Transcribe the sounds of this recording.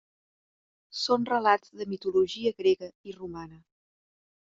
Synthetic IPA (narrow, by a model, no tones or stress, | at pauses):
sonrəladzðəmit̪uluʒiəɣɾɛɣəirumanə